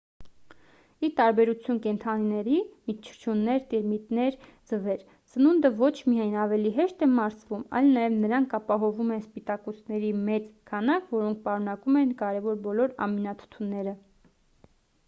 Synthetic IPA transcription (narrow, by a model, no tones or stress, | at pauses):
it̪ɑɾbɛɾut͡sʰjunkɛnt̪ʰɑninɛɾimit͡ʃʰə̥t͡ʃʰunːɛɾt̪iɾmit̪nɛɾ | d͡zəvɛɾ | sənund̪əvɔt͡ʃʰmijɑjnɑvɛliɦɛʃt̪ɛmɑɾsvumɑ̰jlnɑjɛvnəɾɑŋkʰɑpɑɦɔvumɛnspit̪ɑkɔsnɛɾimɛt͡skʰɑnɑkvɔɾɔŋk̚ʰpɑɾunɑkumɛnkɑɾɛvɔɾbɔlɔɾɑ̰minɑt̪ʰə̥t̪ʰunːɛɾə